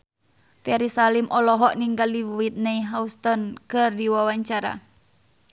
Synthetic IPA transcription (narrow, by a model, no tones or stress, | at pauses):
fɛɾisalimʔɔlɔɦɔʔniŋɡaldiwuwit̪̚neiɦaust̪ɔnkɨrdiwawaɲt͡ʃaɾa̰